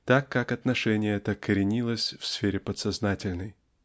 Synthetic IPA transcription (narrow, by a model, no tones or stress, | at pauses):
t̪akːakɐt̪nɐʂɛnʲɪjəɛt̪əkəɾʲɪnʲilˠəsʲfsfʲeɾʲɪpət̪sɐznatʲɪlʲnəj